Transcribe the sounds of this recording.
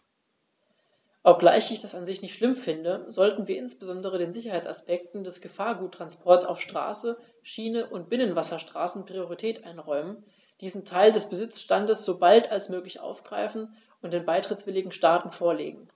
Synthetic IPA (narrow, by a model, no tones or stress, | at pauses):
ʔɔp̚ɡ̥la̰ɪçɪçd̥asanzɪçnɪçtʃlɪmfɪndəzɔltn̩viːɐɪnsb̥əzɔndəʁ̞ədeːnzɪçɐhaɪt͡sa̰spɛk̚tn̩dɛsɡ̥əfaːɐɡuːtʰːʁ̥anspʰɔɐtsa̰ʊfʃtʁ̥a̰ːsə | ʃiːnəʔʊnt̚b̥ɪnənvasɐʃtʁ̥aːsn̩pʁ̥ioʁ̞itʰɛːtʔaɪnʁɔʏmən | d̥iːzn̩tʰaɪldɛsb̥əzɪt͡sʃtandəsz̥oːbaltalsmøːklɪçʔa̰ʊfɡ̥ʁa̰ɪfn̩ | ʊnt̚d̥eːnbaɪtʁ̥ɪtt͡svɪlɪɡŋ̩ʃtaːtn̩foːɐlḛːɡŋ̩